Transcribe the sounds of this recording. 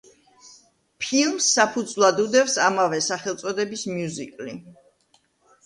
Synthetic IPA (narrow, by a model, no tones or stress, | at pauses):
pʰilˠmsːapʰud̪zvlˠad̪ud̪ɛfsamavɛsaχɛlˠt̪sʼɔd̪ɛbismjuzikʼli